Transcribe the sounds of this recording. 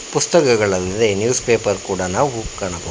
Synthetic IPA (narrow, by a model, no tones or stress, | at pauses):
pust̪ɐkɐɡɐɭɐlːɐd̪e̞njuːspeːpɐɾkuːɽɐnaːʋɦuːkkaːɳɐbɐ